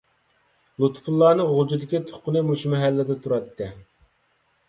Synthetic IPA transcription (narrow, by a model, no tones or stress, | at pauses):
lˠut̪ʰpʰulˠːɑːnɨʁʊlˠd͡ʒid̪ɪkʲit̪ʰo̥qʊnɨmuʃmɛɦælːɪd̪ɛt̪ʰuɾɑt̪ʰːɨ